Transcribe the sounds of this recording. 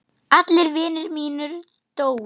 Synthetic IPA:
at̪lɪɾvɪːnʏɾmiːnʏɾ | t̪oːw

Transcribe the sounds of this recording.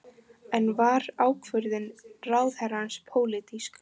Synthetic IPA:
ɛnvaɾaːwkʰvʏɾðɪnraːwθhɛɾanspʰoːwlɪt̪isk

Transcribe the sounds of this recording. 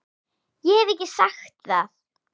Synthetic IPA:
jɛhɛvɛhcːɪsaxt̪θaθ

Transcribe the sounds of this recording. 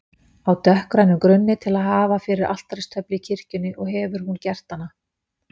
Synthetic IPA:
awt̪ʰœhkɾajnʏmkɾʏnːɪt̪ʰɪlaðɦaːvafɪɾɪɾʔa̰l̥t̪ɾajst̪ʰœplɪcʰɪr̥cʏnːɪʔɔɣɦɛːvʏɾ̥huncɛr̥t̪ːanːa

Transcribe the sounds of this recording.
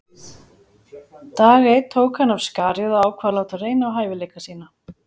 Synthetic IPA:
t̪aːɣet̪ʰoːwkhanːav̥skaːɾjʏðaaːwkʰvalaːwt̪areːjnaːwɦaːjvɪleːjkasiːna

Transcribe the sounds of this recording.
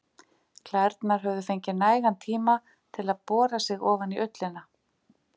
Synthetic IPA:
kʰlɛɾt̪naɾ̥ɦœvðʏfejɲcɪnaːjɣant̪ʰiːma | t̪ʰɪlaðpɔːɾasɪɣɔːvaniʔʏt̪lɪna

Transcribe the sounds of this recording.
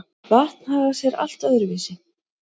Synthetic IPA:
vaht̪nhaːɣḁsjɛɾa̰l̥t̪œðʏɾviːsɪ

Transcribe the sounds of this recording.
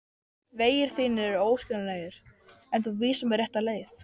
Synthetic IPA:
veːjɪɾ̥θiːnːɪɾɛɾoːwscʏnaneːjɪɾ̥ɛnθuviːsamɛɾrjɛht̪aleːjθ

